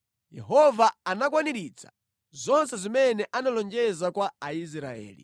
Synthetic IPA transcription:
jɛ̰ɦɔvaanakwaniɾit͡sʰḁ | zɔnsɛzimɛnɛʔanalɔnd͡ʒɛzakwaais̬ɾa̰ɛ̰ːlḭ

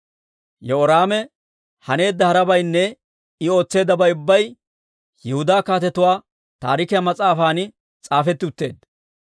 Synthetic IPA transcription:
jɔɔɾaːmɛ | hɐne̞ːd̪ːɐhɐɾɐbɐjnːɛ | ɪo̞ːt͡sːe̞ːd̪ːɐbɐjʊbːɐj | jɛhʊd̪aːkaːt̪̬ɛt̪ʊwaː | t̪a̰ːɾɪkɪjɐmɐt͡sʼaːfaːnɪ | t͡sʼaːfɛt̪ːɪʊt̪ːe̞̰ːd̪

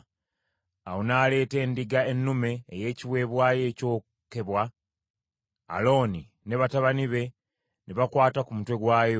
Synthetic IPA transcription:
awonaːle̞ːte̞ːndiɡaenːume̞ːje̞ːciwe̞ːβwaːje̞ːco̞ː | ke̞βwa | lo̞ːni | ne̞βataβaniβe̞ | neβakwaːtakumutwe̞ɡwaːjo

